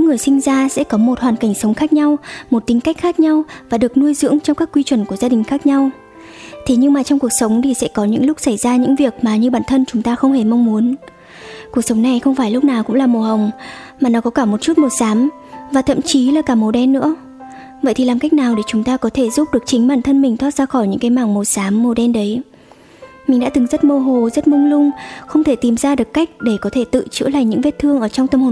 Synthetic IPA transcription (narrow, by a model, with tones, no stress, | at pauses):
ɲɨ̰˧˥ŋːɨ˨˩əjsï˧ŋ̟zaː˧sɛ̰˧˥kɔ˨˦mo˨˩t̚hwaː˨˩nka˧˩jŋ̟sə˨˦wŋ͡mxaː˦˥k̚ɲa˧wmo˨˩t̚t̪ï˨˦ŋ̟ka˦˥k̟xaː˦˥k̚ɲa˧wvaː˨˩ɗɨ˨˩ək̚nu˧əjzɨ̰˧˥əŋt͡ɕɔ˧wŋ͡mkaː˦˥kːwi˧t͡ɕwə˨˧˩nku˧˩əzaː˧ɗï˨˩ŋ̟xaː˦˥k̚ɲa˧w | t̪ʰe˨˩ɲɨ˧ŋmaː˨˩t͡ɕwŋ͡mku˨˩ək̚sə˨˦wŋ͡mt̪ʰi˨˩sɛ̰˧˥kɔ˨˦ɲɨ̰˧˥ŋlʊ˦˥k͡p̚sa˧˩jzaː˧ɲɨ̰˧˥ŋvi˨˩ək̚maː˨˩ɲɨ˧ɓaː˧˩nt̪ʰə˧nt͡ɕʊ˨˦ŋ͡mt̪aː˧xə˧wŋ͡mhe˧˩ma˧wŋ͡mmu˨˦ən | ku˨˩ək̚sə˨˦wŋ͡mna˨˩jxə˧wŋ͡mfaː˧˩jlʊ˦˥k͡p̚naː˨˩wkʊ̰˧˥ŋ͡mlaː˨˩mo˨˩ɦə˨˩wŋ͡m | maː˨˩nɔ˨˦kɔ˨˦kaː˧˩mo˨˩t̚t͡ɕu˦˥t̚mo˨˩saː˨˦m | vaː˨˩t̪ʰə̰˧˨mt͡ɕi˨˦laː˨˩kaː˧˩mo˨˩ɗɛ˧nːɨ̰˧˥ə | və̰˧˨jt̪ʰi˨˩laː˨˩mka˦˥jk̚naː˨˩wɗe˧˩t͡ɕʊ˨˦ŋ͡mt̪aː˧kɔ˨˦t̪ʰe˧˩zu˦˥p̚ɗɨ˨˩ək̚t͡ɕï˨˦ŋ̟ɓaː˧˩nt̪ʰə˧nmï˨˩ŋ̟t̪ʰwaː˦˥t̚z̥aː˧xɔ˧˩jɲɨ̰˧˥ŋkaː˨˦jmaː˧˩ŋmo˨˩saː˨˦mːo˨˩ɗɛ˧nɗə˨˦j | mi˨˩ŋ̟ɗa̰ː˧˥t̪ɨ˨˩ŋzə˦˥t̚mo˧ɦo˨˩zə˦˥t̚mʊ˧wŋ͡mlʊ˧ŋ͡mxə˧wŋ͡mt̪ʰe˧˩t̪i˨˩mzaː˧ɗɨ˨˩əkːa˦˥jk̟̚ɗe˧˩kɔ˨˦t̪ʰe˧˩t̪ɨ̰˧˨t͡ɕɨ̰˧˥əla̰ː˧˨jɲɨ̰˧˥ŋve˦˥t̚t̪ʰɨ˧əŋʔəː˧˩t͡ɕɔ˧ŋ͡mt̪ə˧mho˨˩˨